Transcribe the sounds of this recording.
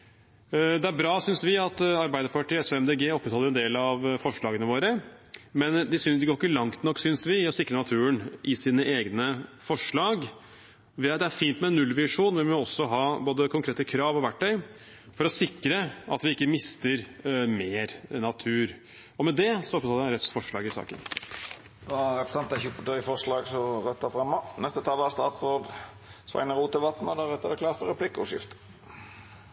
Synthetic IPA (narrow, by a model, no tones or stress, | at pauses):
d̪ɛæɾbɾɑːsʏnsʋɪɑt̪ɑɾbæɪd̪əɾpɑʈiːɛsoɛmd̪eːɡeːɔpːət̪hɑlːəɾɛnd̪eːlɑʋfɔʂɭɑːɡənəʋoːɾəmɛnd̪ɪsʏd̪ɪɡoːkəlɑŋt̪nɔkːsʏnsʋɪɔsɪkːɾənɑt̪ʰʉːənʔɪsiːnəʔeːɡnəfɔʂɭɑːɡ | ʋɪt̪d̪ɛæɾfiːnt̪mɛnːʉlːʋɪʂuːnʋɪʋɪmɔɔsɔɦɑːboːd̪əkʰʊŋkʰɾeːt̪əkʰɾɑːʋɔʋæʈʰːœʏ | fɔɾɔsɪkɾəʔɑt̪ʋɪɪkːəmɪst̪əɾmeːɾnɑt̪ʰʉːɾ | ɔmɛd̪ɛsɔɔpːt̪ʰɑləɾɛt̪sfɔʂɭɑːɡɪsɑ̰ːkə̰n | d̪ɑɾɛpɾəsɛnt̪æɪçʊpət̪œfɔʂlɑːɡsɔʁɛt̪ːɑfɾɑmːɑnɛst̪ət̪ʰɑːlæst̪ɑːt̪sɾoːd̪ | sʋæ̰ɪnəɾuːt̪əlʋɑt̪nɔd̪ɑɾɛt̪ːəd̪ɛkʰlɑːfɔɾɛplɪkːəʊ̰ʃɪ̰ft̪ə